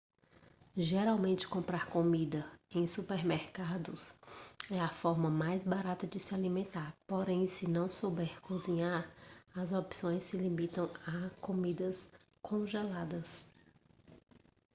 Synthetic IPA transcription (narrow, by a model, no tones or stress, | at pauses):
ʒeɾawmẽnt͡ʃɪ̥kõmpɾaɾkomid̪ɐẽj̃supeɾmeɾkad̪ʊs | ɛɐfɔɾmɐmajzbaɾat̪ɐd͡ʒɪsɪalimẽnt̪aɾpoɾẽj̃sɪnɐ̃w̃sowbɛɾkozĩɲaɾɐzopsõj̃sɪlimit̪ɐ̃w̃akomid̪ɐs | kʰõʒelad̪ɐs